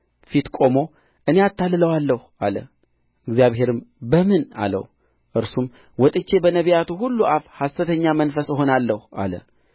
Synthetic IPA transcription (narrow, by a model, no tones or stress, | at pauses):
fit̪kʼo̞mo̞ | ʔɨne̞at̪ʰːalːɨləwalːəh | alə̰ | ɨɡzijaβɦe̞ɾɨmbəmɨna̰lə̰w | ʔɨɾsum | wɔt̪ʼɨt͡ʃːe̞bənəβijat̪uɦulːuʔafhast̪ɨt̪ʰəɲːamənfəsəɦo̞nalːəhuʔa̰lə̰